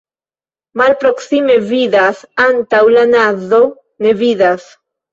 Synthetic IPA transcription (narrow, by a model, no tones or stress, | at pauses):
malpɾoksimeβiðasant̪awlanaðo | neβiðas